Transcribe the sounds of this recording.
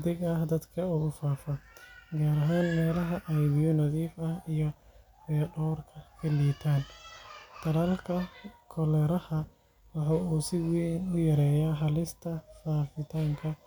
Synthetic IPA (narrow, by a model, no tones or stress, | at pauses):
ðɪɡɐhd̪ɐd̪kʰɐʊɣʊfaːfɐɡaːɾɐɦaːnmɛːlɐɦɐʔɐjbiʊnɐðiːfɐhijɞ | bɛɖɔːrkʰɐkʰɐliːt̪ʰaːn | d̪̥ʰɐlaːlkʰɐkʰɔlɛɾɐhɐ | wɑħɑːuːsɪwinʊjɐɾɛːjaːħɑlɪst̪ʰɐfaːfɪt̪ʰaːŋkʰɐ